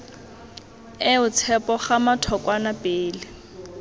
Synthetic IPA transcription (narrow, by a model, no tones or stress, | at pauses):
ɪʊt͡sʰɛpɔχamatʰɔkʼwanapeːlɪ